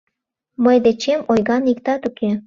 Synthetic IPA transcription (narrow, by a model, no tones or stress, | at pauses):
məjd̪et͡ɕemojɣɑnikt̪ɑt̪ukʰe